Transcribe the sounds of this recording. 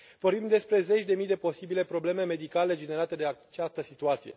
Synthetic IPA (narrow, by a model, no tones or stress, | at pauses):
vo̞rbimd̪e̞spɾe̞ze̞t͡ʃʲd̪e̞mijd̪e̞po̞sibile̞pɾo̞ble̞me̞me̞d̪ikale̞d͡ʒe̞ne̞ɾat̪e̞d̪eat͡ʃast̪əsit̪uat̪sije̞̰